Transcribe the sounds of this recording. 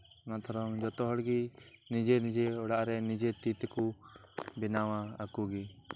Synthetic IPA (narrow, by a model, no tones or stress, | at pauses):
ɔnaʔt̪ʰɔɾɔŋd͡ʒɔt̪ɔɦɔɽɡinid͡ʒenid͡ʒeɔɽaʔɾɛnid͡ʒet̪it̪ɛku | bɛnawaːkuɡi